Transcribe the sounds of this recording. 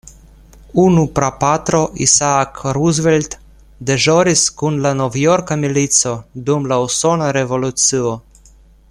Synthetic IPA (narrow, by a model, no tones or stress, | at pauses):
unupɾapat̪ɾoʔḭsakɾuzvɛlʲt̪ | d̪ɛʒɔɾiskunlanɔvjɔɾkamilit̪sɔd̪umlawsonaɾɛvolusɨɔ